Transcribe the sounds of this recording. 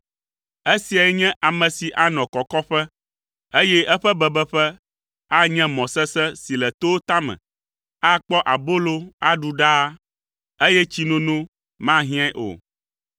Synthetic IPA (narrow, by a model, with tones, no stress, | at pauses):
e˦si˨a˨jɛ˦ɲɛ̃˦ʔa˨mɛ̃˨si˨ʔa˦nɔ̃˨kɔ˨kɔ˦ɸɛ˦ | e˦jɛ˦ɛ˦ɸɛ˦bɛ˨bɛ˦ɸɛ˦ | a˦ɲɛ̃˦mɔ̃˨sɛ˦sɛ˦si˨lɛ˨t̪o˦wo˦t̪a˦mɛ̰̃˨ | a˦k͡pɔ˦ʔa˨bo˦lo˦a˦ɖu˨ɖa˦ | e˦jɛ˦t͡ɕi˦nũ˦nũ˦ | mã˦ɦĩ˦ã˦ʔo̰˨